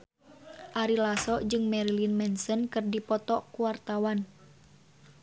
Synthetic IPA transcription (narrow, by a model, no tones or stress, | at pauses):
ʔaɾilasɔʔd͡ʒɨŋmɛɾilinmɛnsənkɨrdipɔt̪ɔkuwart̪awan